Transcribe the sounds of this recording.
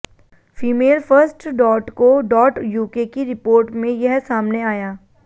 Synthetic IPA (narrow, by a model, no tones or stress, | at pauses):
fiːmeːlfəɾsʈɖɔːʈkoɖɔːʈjuːkekiɾɪpoːɾʈmẽjɐɦsaːmneaːjaː